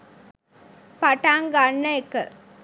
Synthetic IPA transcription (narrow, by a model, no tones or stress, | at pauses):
pɐʈaːŋɡanːɐekːɐ